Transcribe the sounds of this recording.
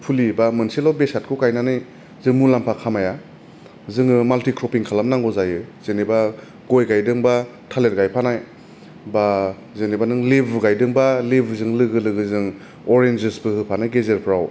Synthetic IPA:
pʰulibamɯnselɔwbesat̚kʰukajnanɯj | zɯŋmulampʰakʰamaja | zɯŋɯmaltikɾɔpiŋkʰalamnaŋɡɔzajɯz̥eniba | ɡojɡajdɯŋba | tʰaletɡajpʰanaj | ba | zenibanɯŋlibʱɡajdɯŋbalibʱzɯŋlɯɡɯlɯɡɯzɯŋ | ɔɾend͡ʒesbɯhɯpʰanajɡezeɾpʰɾaw

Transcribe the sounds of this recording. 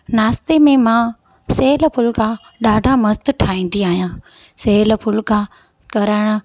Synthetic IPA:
naːst̪emẽmã | seːlpʰʊlka | ɗaːɖʱamɐst̪ʈʰaːĩːn̆d̪iaːɦijãː | seːlpʰʊlka | kɐɾəːɪɽ̃ə̆

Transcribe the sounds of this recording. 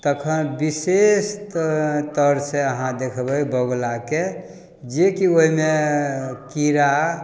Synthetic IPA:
t̪əkʰənbisest̪t̪əɾseəɦãd̪ekʰbəjbəɡlake | d͡ʒekioɦime | kiɾa

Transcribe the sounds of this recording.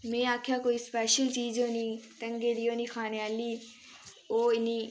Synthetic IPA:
mɛ̃ːaːkʰjaːkoːiːspɛːʃəlt͡ʃiːzoːniːt̪əŋɡeːd̪iːoːniːkʰaːnejaːliː | oːɪniː

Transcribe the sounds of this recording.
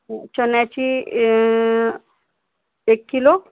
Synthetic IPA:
t͡ɕənjat͡ɕi | ekːilo

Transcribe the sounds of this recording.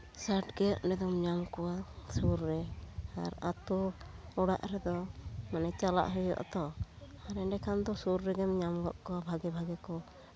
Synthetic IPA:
saʈɡɛjɔʔnɛd̪ɔmɲamkɔwasuɾːɛa̰ɾat̪uɔɽa̰ʔɾɛd̪ɔmanɛt͡ʃala̰ʔɦɔjɔ̰ʔt̪ɔ | aɾɛɖɛkʰand̪ɔsuɾːɛɡɛmɲamɡɔʔkɔwabʱaɡɛbʱaɡɛkɔ

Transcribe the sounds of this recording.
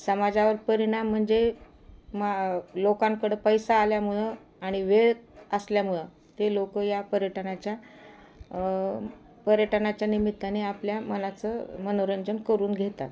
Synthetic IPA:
səmad͡zaʋəɾpəɾiɽ̃am̤ːəɳd͡ze | malokãŋkəɽəpəjsaːljamuɭə | aɽ̃iʋeɭəsljamuɭə | t̪elokəjapəɾjəʈʰənat͡ɕja | pəɾjəʈʰənat͡ɕjanimit̪ːaneapljamənat͡səmənoɾənd͡ʑənkəɾuːnɡʱet̪a̰t̪

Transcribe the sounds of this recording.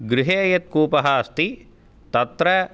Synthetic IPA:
ɡɾɪɦeːɐjɐt̪̚kuːpɐɦɐɐst̪i | t̪ɐt̪ɾɐ

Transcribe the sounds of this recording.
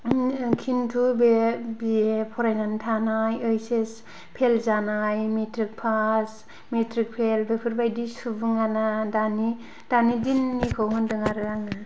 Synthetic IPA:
kʰintʰubebiepʰɔɾajnantʰanajɯjses | pʰelzanajmetʰɾik̚pʰas | metɾik̚pʰelbepʰɯɾbajdisubɯŋanadani | d̥anidinːikʰɯwɦɯndɯŋaɾɯaŋna

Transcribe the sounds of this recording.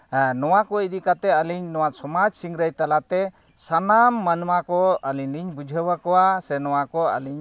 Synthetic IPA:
nɔwakɔid̪ikat̪ɛəliɲnɔwatsɔmad͡ʒsiŋɾəjt̪alat̪ɛ | sanamːanumakɔaliɲniɲbud͡ʒʱəwakɔwasɛnɔwakɔa̰liɲ

